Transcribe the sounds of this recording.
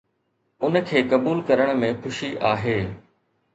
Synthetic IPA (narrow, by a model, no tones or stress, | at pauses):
ʊnəkʰeːkɐbuːlkɐɾəɽ̃mẽxʊʃiʔaːɦeː